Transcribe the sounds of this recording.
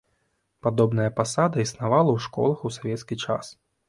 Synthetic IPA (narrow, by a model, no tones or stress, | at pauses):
pad̪ɔbnɐjɐpasad̪ɐisnavalˠɐwʂkɔ̰lˠɐxusavʲɛt̪skʲit͡ʂa̰s